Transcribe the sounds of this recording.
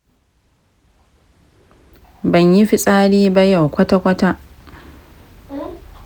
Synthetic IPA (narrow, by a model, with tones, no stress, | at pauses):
bɐ˨ɲji˦ɸi˦sʼaː˦ɽiː˦ba˦ja˨wkʷɐ˦ta˦kʷɐ˦ta˦ʔ